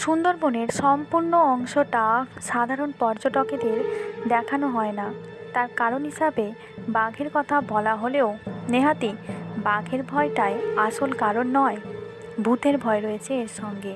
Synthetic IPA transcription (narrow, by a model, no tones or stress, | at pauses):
ʃund̪oɾboneɾʃɔmpuɾnoɔŋʃoʈaʃad̪ʱaɾonpɔɾd͡ʑoʈoked̪eɾd̪ɛkʰanoɦɔena | t̪aɾkaɾonɦiʃabe | baɡʱeɾkɔt̪ʰabɔlaɦoleoneɦat̪ibaɡʱeɾbʱɔeʈaeaʃolkaɾonːɔe | bʱut̪eɾbʱɔeɾoet͡ɕʰeeɾʃɔŋɡe